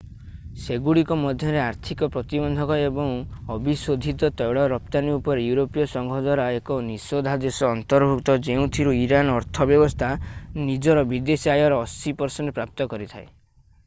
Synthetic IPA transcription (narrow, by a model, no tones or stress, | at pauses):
seɡuɽikɔmɔd̪ʱjɔɾeaɾt̪ʰikɔpɾɔt̪ibɔnd̪ʱɔkɔebɔŋɔbisod̪ʱit̪ɔt̪ɔjɭɔɾɔp̚t̪aniupɔɾejuɾopijɔsɔŋɡʱɔd̪waɾaekɔnisod̪ʱad̪esɔːnt̪ɔɾbʱukt̪ɔd͡ʒeũt̪ʰiɾuiɾanɔɾt̪ʰɔbjɔbɔst̪ʰanid͡ʒɔɾɔbid̪esiajɔɾɔːsipɔɾsɔnepɾap̚t̪ɔkɔɾit̪ʰae